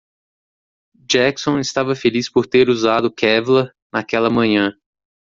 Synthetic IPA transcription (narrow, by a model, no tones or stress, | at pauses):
d͡ʒɛksõɪst̪avɐfelispoɾt̪eɾuzad̪ʊkɛvlɐ | nakɛlɐmɐ̃ɲɐ̃